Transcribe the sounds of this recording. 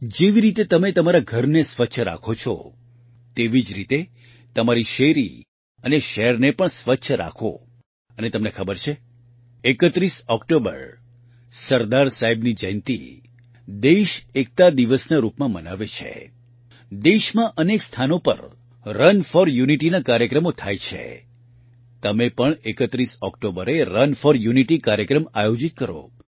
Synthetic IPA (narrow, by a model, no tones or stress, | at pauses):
d͡ʒeʋiɾit̪et̪əmet̪əmaɾaɡʱəɾnesʋətːʃʰəɾa̰kʰot͡ʃʰɔ̰ | t̪eʋid͡ʒɾit̪e | t̪əmaɾiʃeɾḭ | əneʃɛɦɛɾnepəɳsʋətːʃʰəɾa̰kʰo̰ | ənet̪əmnekʰəbəɾt͡ʃʰe | ekət̪ɾisɔkʈobə̰ɾ | səɾd̪aɾsaɦibnid͡ʒəjnt̪ḭ | d̪eʃek̚t̪ad̪iʋəsnaɾupmãmənaʋet͡ʃʰḛ | d̪eʃmãʔənekst̪ʰanopə̰ɾ | ɾənfɔɾjuniʈinakaɾjəkɾəmot̪ʰajt͡ʃʰḛ | t̪əmepəɳekət̪ɾisɔkʈobəɾeɾənfɔɾjuniʈikaɾjəkɾəmajod͡ʒit̪̚kəɾo̰